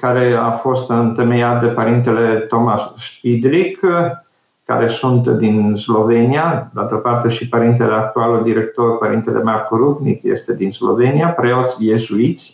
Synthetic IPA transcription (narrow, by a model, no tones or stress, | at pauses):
kaɾe̞afo̞st̪ɨnt̪emejat̪̚d̪e̞paɾint̪ele̞t̪o̞masʃpid̪ɾik | ka̰ɾe̞sunt̪d̪inslo̞ve̞niad̪alt̪opart̪e̞ʃipaɾint̪eleak̚t̪ualuld̪iɾek̚t̪o̞rpaɾḭnt̪elʔḛmarkoɾud̪nikjḛst̪e̞d̪inslo̞̰ve̞niapɾeot̪sʲje̞zuit̪sʲ